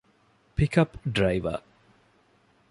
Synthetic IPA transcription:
pikɐpɖɾɐjʋɐ̰

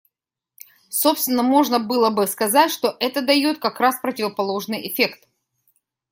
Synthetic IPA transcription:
so̞pst̪vʲɪnːəmo̞ʐnəbɨlˠəbɨskɐzatʲʂt̪o̞ʔɛt̪əd̪ɐjot̪̚kɐkɾaspɾətʲɪvəpɐlˠo̞ʐnɨjʔɪfʲe̞kt̪

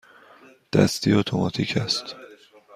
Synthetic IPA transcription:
d̪̥æ̰st̪iːot̪ʰomɒ̰ːt̪ʰiːcʰæst̪

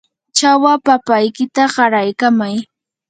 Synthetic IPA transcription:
t͡ʃawapapajkɪt̪aɢɑɾajkamaj

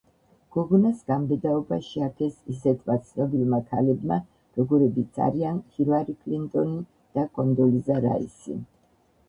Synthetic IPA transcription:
ɡ̥ɔɡɔnasɡambɛd̪aɔbaʃiakʰɛsisɛt̪ʰmat̪sʰnɔbilmakʰalɛbma | ɾɔɡɔɾɛbit̪sʰa̰ɾianhiɾaɾikʰlint̪ʼɔni | d̪̥akʼɔnd̪ɔlizaɾa̰ḭsḭ

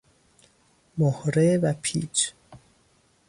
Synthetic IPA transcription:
mohɾevæpʰḭːt͡ʃ

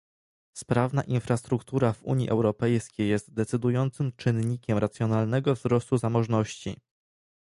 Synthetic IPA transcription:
spɾavnaʔinfɾast̪ɾukt̪uɾavṵɲjḭʔɛwɾɔpɛjskʲejːɛst̪d̪ɛt̪sɘd̪ujɔnt̪sɘmt͡ʂɘnɲikʲɛmɾat̪sʲjɔnalnɛɡɔvzɾɔst̪uzamɔʐnɔɕt͡ɕḭ

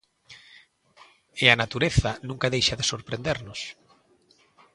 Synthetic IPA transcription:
ɪanat̪uɾeθɐnũŋkaðejʃaðesoɾpɾend̪eɾnʊs

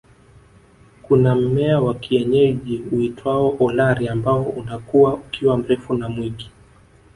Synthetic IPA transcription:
kunam̩mɛawakiɛɲɛʄiuitwaɔʔɔlaɾiambaɔunakuaukiwam̩ɾɛfunamwiɡi

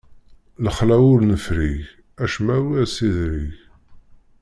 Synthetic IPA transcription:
ləχlæwʊɾnəfɾiʝ | æʃmæwiæsiðɾiʝ

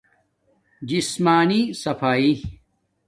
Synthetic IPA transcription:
d͡ʑismaːnisɐfaːi

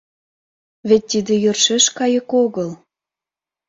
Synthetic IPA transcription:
βet̪ʲːid̪ĕjørʃeʃkɑjə̆koɣɤl

